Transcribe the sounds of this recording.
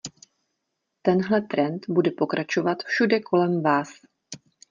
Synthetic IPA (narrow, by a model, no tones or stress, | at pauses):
t̪ɛnɦlɛt̪ɾɛnt̪budɛpo̞kɾʔat͡ʃo̞vat̪fʃudɛkʰo̞lɛmvaːs